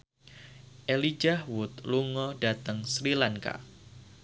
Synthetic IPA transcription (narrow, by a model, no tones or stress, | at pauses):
ʔelid͡ʒahwʊt̪̚luŋɔdat̪əŋsɾilaŋka̰